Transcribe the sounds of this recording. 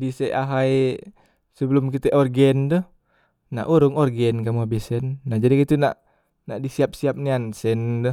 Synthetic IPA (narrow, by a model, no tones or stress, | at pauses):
disɛʔaɦaj | səbəlʊmkit̪ɛʔɔrɡɛnd̪ɔh | na̰ʔuɾʊŋɔrɡɛnkamuɦabisɛnːahd͡ʒadikit̪una̰ʔ | naʔdisiap̚siap̚niansɛndɔh